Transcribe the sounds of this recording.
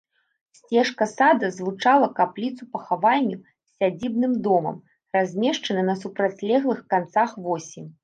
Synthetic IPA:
sʲt͡sʲɛʂkɐsad̪ɐzvut͡ʂalˠɐkaplʲit̪supɐxavalʲːu | sːʲad͡zʲibnɨmd̪ɔmɐ̰m | razʲmʲɛʂt͡ʂɐnɐnɐsupɾat͡sʲlʲɛɣlˠɨxkant̪saxvɔsʲimʲ

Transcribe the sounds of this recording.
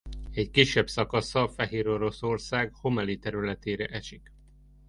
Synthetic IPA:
ɛckiʃːɛbsɒkɒsɒfɛɦeːɾo̞ɾo̞sorsaːɡho̞mɛlit̪ɛɾylɛt̪eːɾɛʔɛʃik

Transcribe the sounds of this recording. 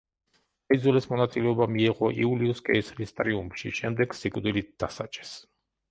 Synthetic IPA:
aid̪zulɛsmɔnat̪sʼilɛɔbamiɛʁɔʔḭuliuskʼɛislist̪ʼɾiumpʃḭʃɛmd̪ɛɡ̥sikʼd̪ilit̪̚d̪̥asat͡ʃʼɛ̥s

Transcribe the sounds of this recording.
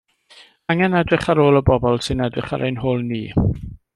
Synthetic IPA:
aŋɛnɛdrɪχaɾoːlˠəbɔbɔlˠsɪnɛdrɪχa̰ɾʔejnɦoːlˠniː

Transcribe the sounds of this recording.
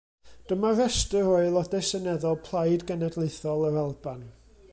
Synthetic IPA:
d̥əmarɛstəroɨlˠɔdɛsənɛðɔlˠpʰlˠajdɡɛnɛdlˠeɨθɔlˠəɾalˠban

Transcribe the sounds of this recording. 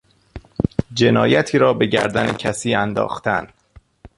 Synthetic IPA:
d͡ʒe̞nɒːjæt̪ʰiːɾɒːbe̞ɟæ̰ɾd̪ænecʰæsiːænd̪ɒ̰ːxt̪ʰæn

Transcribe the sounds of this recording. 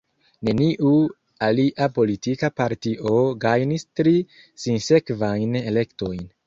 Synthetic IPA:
ne̞niʔu | aliʔapo̞litikapaɾtiʔo̞ɡajnistɾi | sinse̞kvajne̞le̞kto̞jn

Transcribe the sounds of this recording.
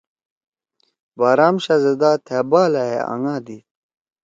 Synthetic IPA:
baːɾaːmɕɐzɐd̪aːt̪ʰeːbaːlɐɦḛɐ̰ŋãːd̪i

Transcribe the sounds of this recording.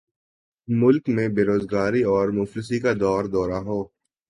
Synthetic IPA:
mʊlkmẽbeːɾoːzɡaːɾiɔːɾmʊflɪs̬ikad̪ɔːɾd̪ɔːɾaɦoː

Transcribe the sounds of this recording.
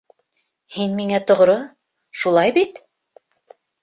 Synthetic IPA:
hinmiŋæt̪ŏʁɾo | ʃulˠɑjbit̪

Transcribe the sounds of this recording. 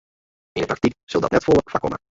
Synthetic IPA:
ɪndəptɾɑk̚t̪ikz̥ɵlˠdɑ̰tnɛtfɔlˠəkfakɔ̰ma̰

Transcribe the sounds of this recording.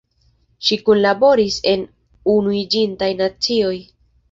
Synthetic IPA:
ʃikunlabo̞ɾise̞n | unuid͡ʒintajnat͡sio̞j

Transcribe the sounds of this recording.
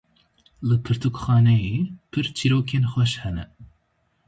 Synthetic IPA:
lɨpʰɨɾt̪ʰukxɑːnɛjepʰɨɾt͡ʃʰiɾoːkʰeːnxʷɛʃhɛnɛ

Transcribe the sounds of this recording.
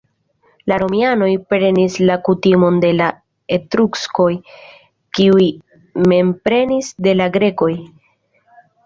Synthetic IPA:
laɾo̞miano̞jpɾe̞nislakutimo̞nde̞la | etɾuksko̞j | kiuj | me̞mpɾe̞nisde̞laɡɾe̞ko̞j

